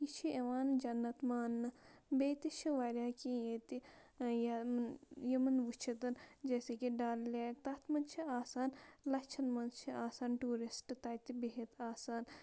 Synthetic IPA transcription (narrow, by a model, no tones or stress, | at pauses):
jit͡ʃʰieʋaːnd͡ʒɐnːɐt̪maːnːɨbeːt̪it͡ʃʰiʋaːɾjaːkijeːt̪i | ja | jɐmɐnʋut͡ʃʰɐt̪ɐnd͡ʒeːsekiɖaːllʲaːk̚t̪ɐt̪ʰmɐnt͡ʃʰiaːsaːnlɐkt͡ʃʰɐnmɐnt͡ʃʰiaːsaːnʈuːɾisʈt̪aːjt̪ibeɦit̪aːsaːn